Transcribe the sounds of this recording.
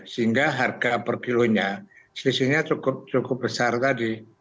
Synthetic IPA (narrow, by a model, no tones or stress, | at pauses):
səiŋɡaɦarɡapərkiluɲa | səlisɪhɲat͡ʃukʊp̚t͡ʃukʊp̚bəsart̪adi